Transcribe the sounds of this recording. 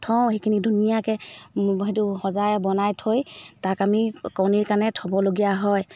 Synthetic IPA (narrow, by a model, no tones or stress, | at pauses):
tʰɔ̃w̃ɦekʰinidunijakɛɦetuhɔzajbɔnajtʰojtakamikawniɹkanɛtʰɔbɔloɡijaɦɔj